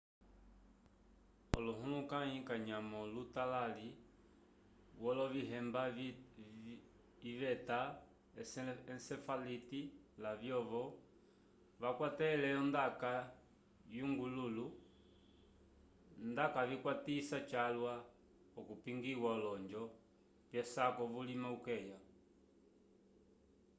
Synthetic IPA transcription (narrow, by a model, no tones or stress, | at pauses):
ɔ̰luɦulukaɲikaɲamɔlutalali | wɔlɔviɦɛmba | ivɛta | ɛɛnsɛfalitilavjɔʋɔ | βakwatɛlɛɔndaka | juŋɡululu | ndakavikwatisat͡ʃalwa | ɔkupiŋɡiwaɔlɔɲd͡ʒɔ | vjɛsakɔvulimaukɛja